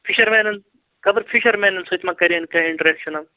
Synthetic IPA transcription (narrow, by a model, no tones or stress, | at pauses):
fʰiʃɐɾmɛːnɐn | kɐbɐɾfʰiʃɐɾmeːnɐnsojt̪mãkɐɾiɐnkɐiɳʈɐɾeːkʃɐnɐm